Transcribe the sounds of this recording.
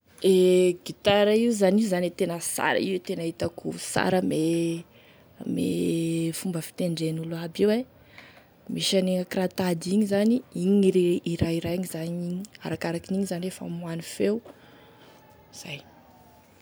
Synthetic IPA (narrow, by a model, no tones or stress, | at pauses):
eɡit̪aɾaiuzaniuzanet̪enəsa̰ɾa̰iwet̪enaɦit̪akusa̰ɾəme | mḛfumbəfi̥t̪eɳɖ͡ʐenuluabewe | miʃaneŋəkrat̪ad̪iɲizaniiɲiiɾeiɾaiɾajiɲizaɲiɲia̰ɾakaɾakiniɲizaniefa̰mwanifew | iz̥aj